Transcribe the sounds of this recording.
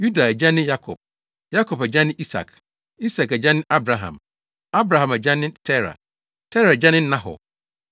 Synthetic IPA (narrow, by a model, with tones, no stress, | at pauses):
ju˦da˨æ˨d͡ʑa˦nɪ̃˦ja˦kʰɔ˨p̚ | ja˦kʰɔ˨pæ˨d͡ʑã˦nɪ̃˦ʔi˦sa̰˨k | i˦sa˨kɛ˨d͡ʑã˦nɪ̃˦ʔa˦bɾa˨ɦã̰˨m | a˦bɾa˨ɦã˨mæ˨d͡ʑa˦nɪ̃˦tʰɛ˦ɾa̰˨ | tʰɛ˦ɾa˨d͡ʑa˦nɪ̃˦n̩˦nã˦ɦɔ̰˨